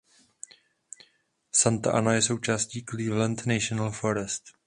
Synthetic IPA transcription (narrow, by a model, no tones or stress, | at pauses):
sant̪a̰ʔanajɛso̞wt͡ʃaːsciːkliːvlɛnt̪nɛʃonalfoɾɛst̪